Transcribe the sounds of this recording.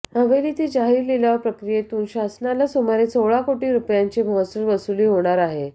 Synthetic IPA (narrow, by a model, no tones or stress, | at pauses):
əʋelit̪iːd͡ʑaɦiːɾleljaʋəɾpɾəkɾijet̪uːnɕasnalasomaɾet͡soʋɭakoʈiːɾupjaɲt͡ɕimɦɔsulʋəsuliːɦoɽ̃aɾaɦe